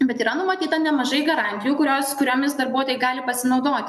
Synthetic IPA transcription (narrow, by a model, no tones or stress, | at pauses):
bʲɛt̪iːɾɐnʊmɐt̪ʲiːt̪ɐnʲɛmɐʒɐɪɡɐɾɑnʲt̪ʲɪjuːkʊɾʲoːskʊɾʲoːmʲɪsd̪ɐɾbuɔt̪oːjɛɪɡɑːlʲɪpɐsʲɪnɐʊd̪oːt̪ʲɪ